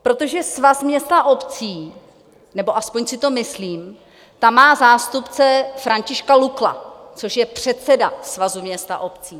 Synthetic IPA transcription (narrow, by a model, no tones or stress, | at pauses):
pɾo̞t̪o̞ʒɛsvasmɲɛst̪aʔo̞pt͡siː | nɛbo̞ʔaspo̞ɲsɪt̪o̞mɪsliːm | t̪amːaːzaːst̪upt͡sɛfɾaɲcɪʃkalukla̰t͡so̞ʃjɛpr̝̥ɛt̪t͡sɛdasvazumɲɛst̪a̰ʔo̞pt͡siː